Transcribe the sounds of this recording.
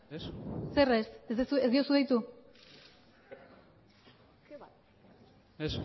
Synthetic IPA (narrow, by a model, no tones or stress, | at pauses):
esseresezðsuezd̪io̞suðejt̪u | es